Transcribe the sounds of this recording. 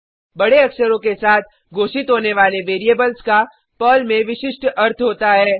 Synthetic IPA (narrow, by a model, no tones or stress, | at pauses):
bɐɽeɐksəɾõkesaːt̪̚ʰ | ɡoːʃɪt̪ɦoːneʋaːleʋeːɾieːbəlska | pɔːlmẽʋɪʃɪʃʈɐɾt̪ʰɦoːt̪aɦɛː